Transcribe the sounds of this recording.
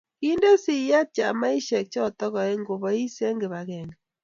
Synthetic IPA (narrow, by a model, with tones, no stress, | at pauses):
ki˦nde˦si˦ja˦t͡ʃa̰˨ma˦i˦ʃɛ˨k̚t͡ʃɔ˦˨tɔ˦ɣɔ˨e˦ŋɡo˨βɔ˨i˦se˦ŋɡe˨βa˨ɣɛ˨ni˨